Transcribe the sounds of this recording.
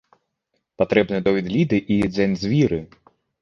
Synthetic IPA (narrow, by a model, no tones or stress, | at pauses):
pat̪ɾɛbnɨjɛd̪ɔvʲid̪lʲid̪ɨʔid͡zʲɛnʲzʲvʲiɾɨ